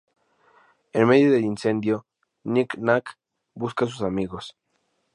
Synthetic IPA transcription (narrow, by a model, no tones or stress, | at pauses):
enme̞ðjo̞ðe̞linse̞nd̪jo̞ | niknak | buskas̬usamiɣo̞s